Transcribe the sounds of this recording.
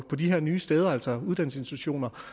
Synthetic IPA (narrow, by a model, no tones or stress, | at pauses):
pʰɒ̽diɦeɐ̰nyːsd̥eːð̞ˠɐæl̰sɒuð̞ˠd̥æn̰̩sensd̥ʰuɕo̝̰ːnɐ